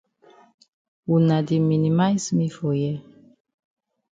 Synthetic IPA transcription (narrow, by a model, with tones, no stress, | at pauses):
wu˨nã˨di˨mĩ˨nĩ˨ma˦jsmĩ˦fo˨jɛ˦